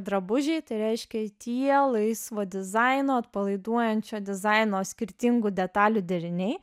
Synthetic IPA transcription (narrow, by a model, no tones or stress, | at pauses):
d̪ɾɐbʊʒʲɛɪt̪ɐɪɾʲɛɪʃʲkʲɛt̪ʲiɛlˠɐɪsʋoːd̪ʲɪzɐɪnoːɐt̪pɐlˠɐɪd̪uɔjɛnʲt͡ʃʲoːd̪ʲɪzɐɪnoːsʲkʲɪɾʲt̪ʲɪŋɡʊd̪ʲɛt̪ɑːlʲʊd̪ʲɛɾʲɪnʲɛɪ